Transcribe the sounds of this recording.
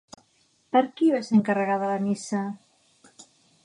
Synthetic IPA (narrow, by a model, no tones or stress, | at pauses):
pəɾkiβaseəŋkərəɣaðələnisə